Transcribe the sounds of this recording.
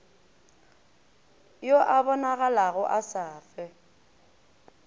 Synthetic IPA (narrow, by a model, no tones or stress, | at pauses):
joʔabɔnaɣalaɣʊʔasaːfɛ